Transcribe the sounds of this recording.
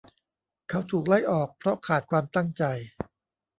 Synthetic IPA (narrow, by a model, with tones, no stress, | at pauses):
kʰa˦˥wt̪ʰuː˨˩k̚la˥˩jʔɔː˨˩k̚pʰɾɔ˦˥kʰaː˨˩t̪̚kʰwaː˧mt̪a˥˩ŋt͡ɕa˧j